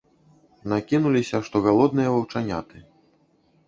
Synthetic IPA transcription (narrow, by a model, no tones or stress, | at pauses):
nakʲinulʲisʲɐʂt̪ɔɣalˠɔd̪̚nɨjɐvɐwt͡ʂanʲat̪ɨ